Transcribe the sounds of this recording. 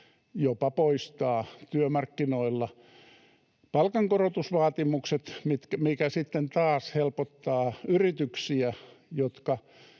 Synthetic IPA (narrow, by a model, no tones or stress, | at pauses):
jopɑpoist̪ɑːt̪yømɑrkːinoilːɑ | pɑlkɑŋkorot̪usʋɑːt̪imukset̪mit̪kæmikæsit̪ːent̪ɑːshelpot̪ːɑːyrit̪yksiæjot̪kɑ